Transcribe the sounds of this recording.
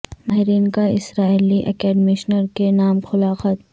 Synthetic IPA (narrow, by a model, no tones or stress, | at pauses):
maːɦɪɾiːnkaɪ̰sɾaːiliʔɛ̰kɛːɖmɪʃnəɾkenaːmxʊlaːxət̪̚